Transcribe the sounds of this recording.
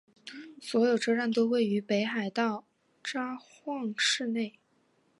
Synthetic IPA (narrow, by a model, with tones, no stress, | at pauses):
swɔ˧˥jo˨˩ʊʈ͡ʂɤ˥ɻa˥˩nt̪o˥ʊwe˥˩ɪy˧˥pe˧˥ɪxa˨˩ɪt̪ɑ˥˩ʊ | ʈ͡ʂa˥xwɑ˥˧ŋʂɻ̩˥˧ne˥˩ɪ